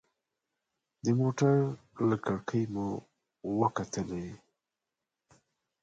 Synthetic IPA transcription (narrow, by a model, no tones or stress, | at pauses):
d̪əmoʈaɾləkaɽkʰəjmu | wəkat̪ʰəle